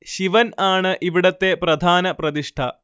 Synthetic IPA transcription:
ʃiʋɐnaːɳɨʔiʋiɽɐt̪ːepɾɐd̪ʱaːnɐpɾɐd̪iʂʈʰɐ

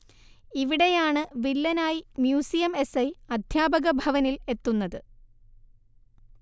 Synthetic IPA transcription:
iʋiɽe̞jaːɳɨʋilːɐnaːjimjuːsijɐme̞sɐjɐd̪ʱjaːbɐɣɐbʱɐʋɐnile̞t̪ːunːɐðɨ

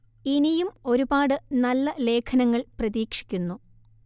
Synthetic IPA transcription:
inijumo̞ɾubaːɽɨnɐlːɐle̞ːkʰɐnɐŋːɐɭprɐðiːkʂi̥kʲːunːu

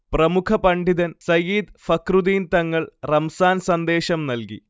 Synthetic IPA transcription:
prɐmukʰɐpɐɳɖiðɐnsɐjiːd̪fɐkrud̪iːnt̪ɐŋːɐɭrɐmsaːnsɐnd̪e̞ːɕɐmnɐlkḭ

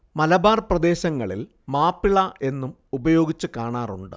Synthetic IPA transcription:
mɐlɐbaːrprɐd̪e̞ːɕɐŋːɐɭil | maːpːiɭɐʔe̞nːum | ubɐjo̞ːɡit͡ɕːɨkaːɳaːruɳɖɨ̰

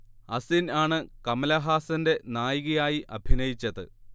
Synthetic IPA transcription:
ɐsinaːɳɨkɐmɐlɐɦaːsɐnde̞naːjiɣɐjaːjiʔɐbʱinɐjit͡ɕːɐðɨ̰

